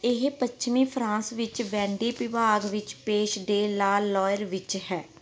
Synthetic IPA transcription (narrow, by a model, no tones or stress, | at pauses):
ɪɦpətt͡ʃmĩːpʰɾãːsʋɪt͡ʃʋɛ̃ːɳɖiːpɪʋaːɡʋɪt͡ʃpeːʃɖeːlaːlːɔːjəɾʋɪt͡ʃhɛː